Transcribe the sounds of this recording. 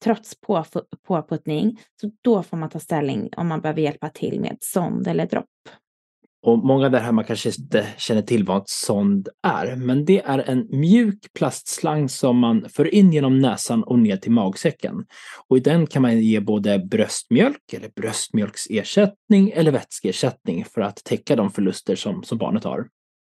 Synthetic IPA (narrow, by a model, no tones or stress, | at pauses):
t̪ʰɾɔt̪spʰopʰoːpʰɵt̪nɪŋsɔd̪̥ɔfoːɾmant̪ʰɑːst̪ɛlːɪ̰ŋɔ̰mːanbɛhøːvəɾjɛlpat̪ʰɪ̰lːmʔḛːd̪̥sɔnd̪ɛlːəɖɾɔ̰pː | ɔmɔŋːavd̪æɾɦæːɾmankʰanʂəɪnt̪əɕɛnːəʈʰɪlːvat̪sɔnd̪æ̰ɾmɛnd̪ɛʔæɾɛnmjʉ̟ːkpʰlast̪slaŋːsɔmːanføːɾɪnːjeːnɔmnɛːsanɔneːʈʰɪlmɑːɡsɛkʰːə̰nɔɪd̪ɛnkʰanmanjeːboːd̪əbɾœst̪mjœlkɛlːəɾbɾœst̪mjœlkseːʂɛt̪nɪŋɛlːəɾvɛt̪skəeːʂɛt̪nɪŋfœɾat̪ʰːɛkːad̪ɔmfœɭɵst̪əʂɔmsɔmbɑ̰ːɳət̪ha̰ɾ